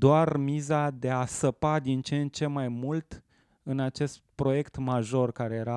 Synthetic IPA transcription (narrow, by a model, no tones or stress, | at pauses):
d̪oarmizad̪e̞asəpad̪int͡ʃent͡ʃe̞majmult̪ | ɨnat͡ʃe̞st̪̚pɾo̞je̞kt̪maʒo̞rkaɾe̞je̞ɾa